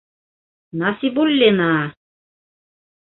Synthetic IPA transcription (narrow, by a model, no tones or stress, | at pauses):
nasibolʲːenaː